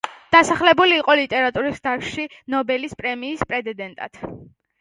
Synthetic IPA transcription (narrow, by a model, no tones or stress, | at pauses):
d̪̥asaχlɛbuliːqʼɔlit̪ʼɛɾat̪ʼuɾisd̪aʃʃinɔbɛlispʼɾɛmiːspʼɾɛt̪d̪ɛd̪ɛnt̪ʼa̰t̪ʰ